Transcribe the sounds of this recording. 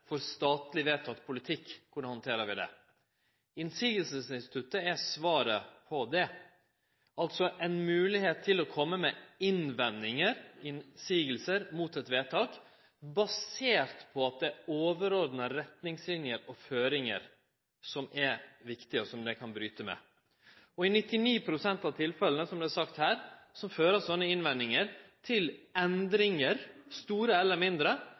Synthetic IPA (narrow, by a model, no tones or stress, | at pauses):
fɔɾst̪ɑːt̪lɪʋeːt̪ʰɑk̪pʰʊlɪt̪ʰɪkːkʊnəhɑnt̪ʰeːɾəʋɪd̪ɛ̰ | ɪnsiːɡəlsəsɪnst̪ɪ̥t̪ʰʉt̪ːəɛsʋɑːɾəpʰɔd̪ɛ | ɑlt̪sɔʔɛɪnmʉːlɪheːt̪ʰːɪlɔkʰɔmːəmɛɪnʋɛnːɪŋəɾɪnsiːɡəlsəɾmuːt̪ɛt̪ʋeːt̪ʰɑːk | bɑseːɾt̪pʰɔɑt̪̚d̪ɛoːʋəɾɔɾd̪nəɾɛt̪nɪŋslɪnjəɾɔføːɾɪŋə̰ɾ | sɔmɛɾʋɪkt̪ɪəɔsɔmd̪ɛkʰɑnbɾyːt̪əmɛ̰ | ɔɪnɪt̪ːɪniːpʰɾʊsɛnt̪ɑʋt̪ʰɪlfɛlənəsɔmblɛæsɑkt̪hæːɾsɔmføːɾəsɔnːəɪnʋɛnːɪŋəɾt̪ʰɪlɛnd̪ɾɪŋəɾst̪uːɾəɛlːəɾmɪnd̪ɾə